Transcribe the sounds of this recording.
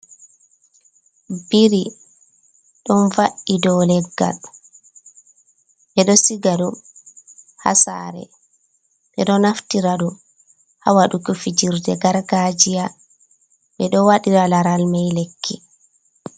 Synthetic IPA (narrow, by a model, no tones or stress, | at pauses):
biɾi | ɗɔnvaʔːidɔlɛɡːa̰l | ɓɛɗɔsiɡaɗu | ha̰sa̰ɾɛ̰ | ɓɛɗɔnaftiɾaɗɔ | ha̰waɗukufid͡ʒiɾdɛɡaɾɡad͡ʒija | ɓɛɗɔwaɗiɾalaɾalmajlekʰːi